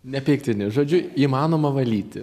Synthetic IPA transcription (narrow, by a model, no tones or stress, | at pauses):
nʲɛpʲɛɪk̚t̪ʲɪnʲɪʒoːd͡ʒʲʊiːmɑːnoːmɐʋɐlʲiːt̪ʲɪ